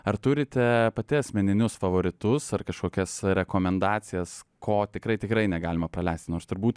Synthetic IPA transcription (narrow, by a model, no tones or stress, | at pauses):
ɐɾt̪ʊɾʲɪt̪ʲɛpɐt̪ʲɪɐsʲmʲɛnʲɪnʲʊsfɐʋoːɾʲɪt̪ʊsɐrkɐʃkoːkʲɛsɾʲɛkoːmʲɛnd̪ɑːt͡s̪ʲɪjɛskʰoːt̪ʲɪkɾɐɪt̪ʲɪkɾɐɪnʲɛɡɑːlʲɪmɐpɾɐlʲɛɪsʲt̪ʲnoːɾst̪ʊɾbuːt̪